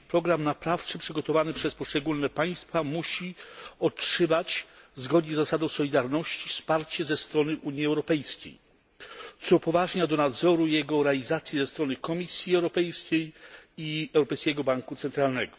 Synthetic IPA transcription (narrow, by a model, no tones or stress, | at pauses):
pɾɔɡɾamnapɾaft͡ʂɘpʂɘɡɔt̪ɔvanɘpʂɛspɔʂt͡ʂɛɡulnɛpaj̃st̪famuɕiɔtʂɘmat͡ɕzɡɔd̪ɲɛzːasad̪ɔ̃w̃sɔlʲid̪aɾnɔɕt͡ɕifspaɾt͡ɕɛzɛst̪ɾɔnɘʔuɲjiɛwɾɔpɛjskʲḛj | t̪sɔpɔvaʐɲad̪ɔnad̪zɔɾujɛɡɔɾɛalʲizat̪sʲjizɛst̪ɾɔnɘkɔmʲisʲjiɛwɾɔpɛjskʲejiɛwɾɔpɛjsʲkʲɛɡɔbaŋkut̪sɛnt̪ɾalnɛɡɔ